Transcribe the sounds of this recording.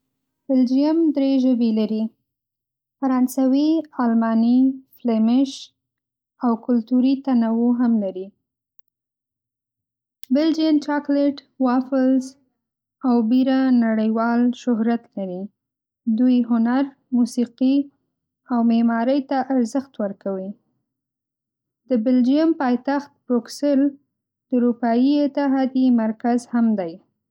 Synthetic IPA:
b̥ɪld͡ʒijamd̪ɾeʒəbelaɾi | faɾɑnsawiɑlmɑniflemɪʃ | awkʊlt̪uɾit̪anawoɦamlaɾi | bɪld͡ʒijamt͡ʃɑkleʈ | wɑfɪlz | awbiɾanaɽəjwɑlʃʊɦɾat̪laɾi | d̪ujɦʊnaɾ | musiqi | awmemɑɾəjt̪aʔaɾzəxt̪wəɾkawi | d̪əbɪld͡ʒiampɑjt̪axt̪̚bɾuksel | d̪̥əuɾupɑjiɪt̪ɪɦɑd̪imaɾkazhamd̪aj

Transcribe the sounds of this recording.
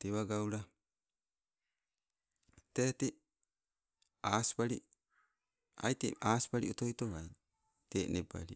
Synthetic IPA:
teβaɡauɾa | teti | aspaɾi | a̰jtḭaːspaɾiotojtoβaj | teneba̰ɾi

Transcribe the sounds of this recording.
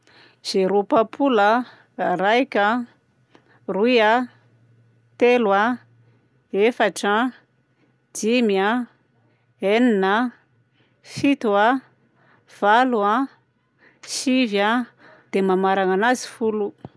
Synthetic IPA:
z̥eɾopapʰulə | ɾajkʲə | rua | t̪elwa | efaʈ͡ʂa | d̪imja | eninə | fit̪ua | v̥alua | ʃivja | d̪̥emamaɾaŋanazi̥fulu

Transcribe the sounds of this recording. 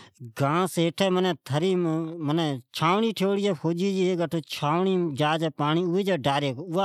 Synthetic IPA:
ɡãːseːʈʰɛːmənɛ̃ːt̪ʰəɾiːmənɛːt͡ʃʰaːʋɳiːʈʰoːɽiːd͡ʒɛːpʰoːd͡ʒiːd͡ʒiːeːɡəʈʰoːt͡ʃʰaːʋɳiːd͡ʒaːd͡ʒɛːpaːɳiːʊːiːd͡ʒaːɖaːɾeːkoʊːaː

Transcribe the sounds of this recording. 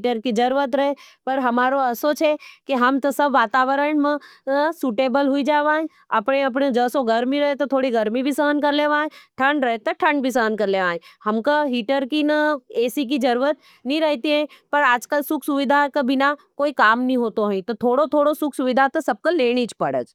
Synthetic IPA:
ʈəɾkid͡ʒɐɾuːət̪ɾɐɦepɐɾɦɐmaːɾoəsot͡ʃʰekiɦɐmt̪ɐsɐbʋaːt̪aːʋəɾəɳmẽsuːʈeːbəlɦuid͡ʒaːʋãːẽ | ɐpɽeɐp̬ɳed͡ʒəːsoɡɐɾmiɾɐɦet̪ot̪ʰoːɽiɡɐɾmibʱisəɦənkɐɾleːʋãːẽʈʰə̃ɳɖɾəɦet̪əʈʰə̃ɳɖ̚bʱisəɦənkɐɾleːʋãːẽhɐmkaɦiːʈəɾkinəeːsik̬id͡ʒɐɾuːɾət̪̚ | nĩɾəɦt̪iɦɛ̃pəɾaːd͡ʒkəlsʊkʰsuʋɪd̪ʱakabɪnakoːikaːmnĩɦoːt̪oɦĩt̪ot̪ʰoːɽot̪ʰoːɽosʊkʰsuʋɪd̪ʱat̪ɐsɐb̚koleːɽ̃it͡ʃʰpɐɽə̰d͡ʒ

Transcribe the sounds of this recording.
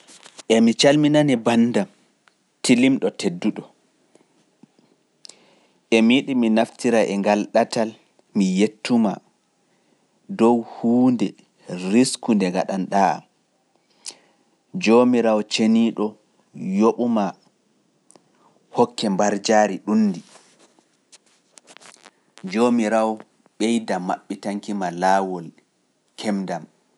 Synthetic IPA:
ʔɛmit͡ʃalminanibanːdam | tilimɗɔtʰedːuɗɔ | ʔɛmiɗiminaftiɾaʔɛŋɡalɗatal | mijetʰːuma̰ | dɔwhuːndɛ | ɾiskundɛŋɡaɗanɗaa̰m | d͡ʒomiɾawt͡ʃeniɗɔ | joɓuma | hɔkːɛmbaɾd͡ʒaːɾiɗunːdi | d͡ʒomiɾaw | ɓɛjdama̰ɓːitaŋkimalaːwɔl | kʰɛmdam

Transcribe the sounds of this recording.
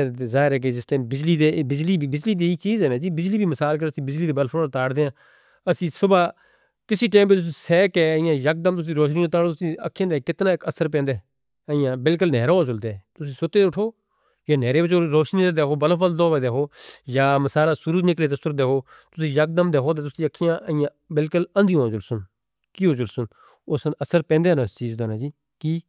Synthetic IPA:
zaːɦɪɾɛːk̬ed͡ʒɪsʈaːmbɪd͡ʒliːd̪eːbɪd͡ʒliːibɪd͡ʒliːd̪iːiːt͡ʃiːzɛːnɛ̃ːd͡ʒiːbɪd͡ʒliːbʱiːməsaːlk̬əɾəsĩːbɪd͡ʒliːd̪eːbəlfʰoːt̪aːɽd̪eːãː | əsĩːsʊbaː | kɪsiːʈ̬eːmbiːt̪̬ʊs̬iːsɛːkeːɪjãːjək̚d̪əmt̪ʊs̬ĩːɾoːʃnĩːt̪aːɽoːt̪ʊsĩːə̰kʰːjãːd̪ekɪt̪naːɪkəsəɾpɛ̃ːnd̪e | əijãːbɪlk̬ʊlnɛːɾõːsʊld̪eːt̪ʊsĩːsʊt̪eːʊʈʰoː | jãːnɛːɾeːbɪt͡ʃʰoːɾoːʃnĩːd̪eːd̪eːkʰoːbəlãfəld̪õːʋed̪eːkoːjaːməsaːlaːsʊɾuːnɪkleːt̪əsʊɾd̪eːkoː | t̪ʊsĩːjək̚d̪əmd̪eːkʰoːd̪eːt̪ʊsĩːəkʰːɪjãːʔəɪjãːbɪlkʊlənd̪ɪjõːd͡ʒʊlsʊn | kiːoːd͡ʒʊlsʊn | ʊsənəsəɾpɛ̃ːnd̪eːnãːt͡ʃiːzd̪oːnãːd͡ʒiː | kiː

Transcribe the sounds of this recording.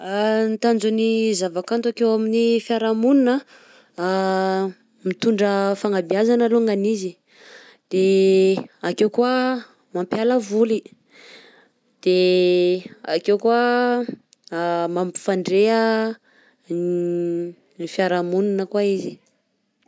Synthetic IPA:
nt̪and͡ʒunizavakant̪uakewaminifjaɾamuninə | mit̪uɳɖ͡ʐəfaŋabjazanəloŋɡanizi | d̪̥e | akewkwa | mampjaləvuli | d̪̥e | akewkwa | mamfaɳɖ͡ʐeə | nifjaɾamuninəkwaizi

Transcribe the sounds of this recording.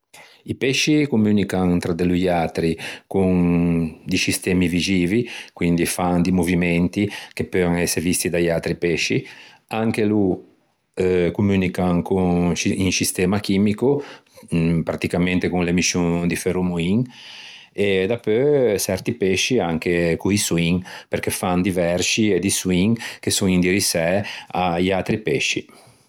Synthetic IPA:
ipɛʃːikumyːnikaŋt̪ɾad̪elujat̪ɾikuŋ | d̪isist̪ɛːmivid͡ʒiːvikwind̪ifaŋd̪imovimɛnt̪ikepːøaŋɛsːeɾevist̪id̪ajalt̪ɾipɛʃːḭ | aŋk̟elu | kumyːnikaŋkusiiŋsist̪ɛːmak̟iːmiko | pɾat̪ikament̪ekunlemiʃuŋd̪ifeɾumuiŋ | ed̪apːøt͡ʃɛɾt̪ipɛʃːiaŋk̟ekuisuiŋpeɾkefand̪ivɛɾsied̪iswiŋkesuŋind̪iɾisɛajat̪ɾipɛʃːḭ

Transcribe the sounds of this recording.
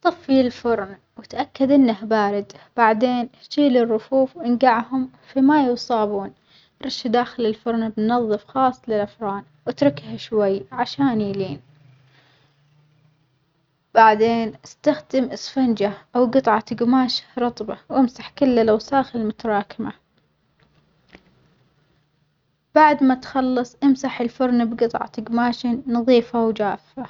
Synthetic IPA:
t̪ˤɑfːilfʊɾˤn | wɪt̪ʔakːad̪ʔɪnːahbaːɾɪd̪b̥aʕd̪eːnhʃiːlɪrːʊfuːfwʔɪnɡaʕhʊm | fimajusˤɑːbuːn | ɾˤɑʃd̪aːxɪlɪlfʊɾˤnbnnɑðˤːɨfxɑːsˤːlɪlʔafɾˤɑːn | wʔat̪ɾˤɪkhaʃwajːʕaʃaːnjiːliːn | b̥aʕd̪eːnʔɪst̪axd̪ɪmʔɪsfand͡ʒaʔawɡɨt̪ˤʕɑɡmaːʃḁɾˤɑt̪ˤbɑwʔɪmsaħkɪlːalawsaːxɪlmʊt̪ɑɾˤɑːkɪma | b̥aʕd̪mat̪xɑlːɑsˤʔɪmsaħɪlfʊɾˤnbɡɨt̪ˤʕɑ̰ɡmaːʃɪnːɑðˤiːfawd͡ʒaːfa

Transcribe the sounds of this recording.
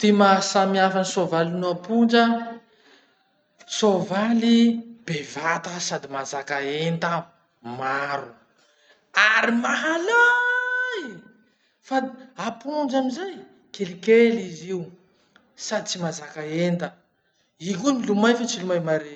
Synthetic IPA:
t̪imasamiafanisovalinuapund͡ʒə | sovalib̥evat̪əsad̪imazakaent̪ə | maɾu | aɾimaɦala | i | faapunɳd͡ʒamizaj | kelikeliziu | sad̪it͡simazakaent̪ə | ikunilumajfat͡silumajmaɾe

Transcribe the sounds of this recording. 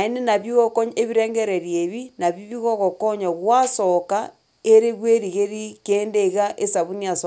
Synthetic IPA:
enenaβjiɣokoɲeβiɾeːŋɡeɾeɾjeβinaβiβiɣoɣokoɲaɣwasoka | eɾeɣweɾiɣeɾikeːndeɣaʔesaβuniaso

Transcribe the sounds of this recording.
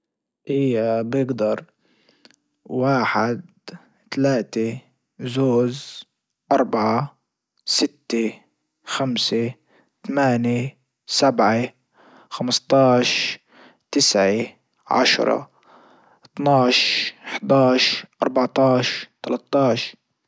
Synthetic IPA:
ʔijːabjɪɡd̪ɑɾˤ | waːħɪd̪̚ | t̪alaːt̪e | zoːz | ʔɑɾˤbaʕa | sɪt̪ːe | xamse | t̪amaːne | sabʕe | xamst̪ˤɑːʃ | t̪ɪsʕe | ʕa̰ʃɾˤɑ̰ | t̪nɑːʃʔɪħd̪ɑːʃʔɑ̰ɾˤbaʕt̪ɑːʃt̪alat̪ˤːɑːʃ

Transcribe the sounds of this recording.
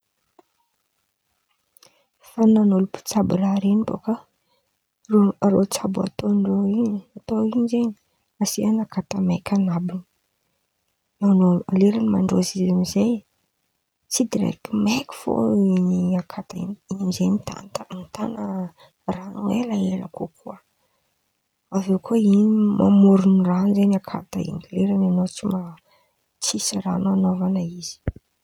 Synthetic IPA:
fananolupu̥t͡sabuɾaɾenibo̰kə | rorot͡sabua̰t̪onroiɲiat̪oiɲzeɲi | asianakat̪əmekʲʰanabin | anoleɾanma̰ɳɖ͡ʐo̰zizamizej | t͡sid̪iɾḛkimekʲi̥fo̰iniakʰat̪aḭninizenit̪a̰nanit̪anə | ranoelaela̰kokʰuə | avewkʰoinimʔa̰muɾuniranzenakʰa̰t̪aḭŋɡaleɾananot͡sima | t͡sisara̰noanovanaiz̥i̥

